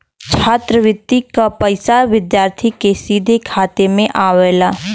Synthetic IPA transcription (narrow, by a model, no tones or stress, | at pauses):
t͡ʃʰaːt̪ɾəʋɪt̪ːikapɐɪsaʋɪd̪jaːɾt̪ʰikesiːd̪ʱekʰaːt̪emẽʔaːʋɛːlaː